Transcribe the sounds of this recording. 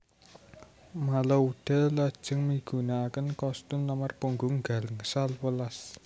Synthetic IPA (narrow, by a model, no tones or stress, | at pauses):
malauɖ̪̥a̤lad̥ʒ̥ə̤ŋmiɡ̥ṳnaːkənkɔst̪umləmarpuŋɡʊŋɡa̤lŋəsalwəlas